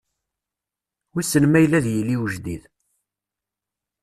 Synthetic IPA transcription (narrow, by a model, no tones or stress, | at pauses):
wisənmæjlæðjəlːiwʒd̪ḭð